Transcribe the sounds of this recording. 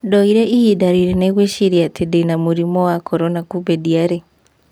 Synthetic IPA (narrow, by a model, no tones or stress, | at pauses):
dɔiɾɛʔiidaɾiɾɛneɣweʃiɾiatʰedenamuɾimɔwakʰɔɾɔnakubɛdiaɾe